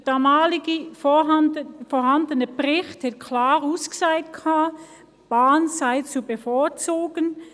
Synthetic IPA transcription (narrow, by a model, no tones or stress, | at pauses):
d̥aːmaːlɪɡə | fɔːhɑndənəbʁɪχthɛkʰlaːʁusksaɪtkʰaː | b̥aːnzaɪt͡subəfoːɐt͡soːɡən